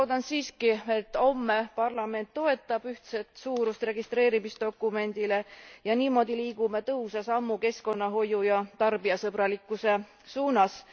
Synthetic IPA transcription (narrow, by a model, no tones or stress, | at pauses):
oːd̪̥ɑnsiːskie̞t̪ːˑo̞mːe̞pɑrlɑme̞nt̪ːo̞e̞t̪ːˑɑb̥yht̪se̞t̪suːɾust̪re̞ɡ̥ist̪ɾe̞ːɾimisd̪̥o̞kːˑume̞nd̪̥ile̞jɑniːmo̞ːd̪iliːɡume̞t̪ɤusɑsɑmːuke̞sko̞nːɑɦo̞jujɑt̪ɑrbiɑsɤbɾɑlikːˑuse̞ | suːnɑs